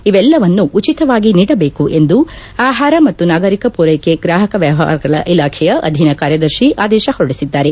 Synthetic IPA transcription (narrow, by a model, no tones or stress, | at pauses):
iʋɛlːɐʋɐnːuʔut͡ʃit̪ɐʋaːɡiniːɽɐbeːkuʔe̞nd̪u | aːɦaːɾɐmɐt̪ːunaːɡɐɾikɐpuːɾɐjkeɡɾaːɦɐkɐʋjaːʋa̰ːɾɐɡɐɭɐʔilaːkʰɛjɐʔɐ̰d̪ʱinɐkaːɾjɐd̪ɐɾʃiʔaːd̪ɛːʃɐhoɽisid̪ːaːɾe̞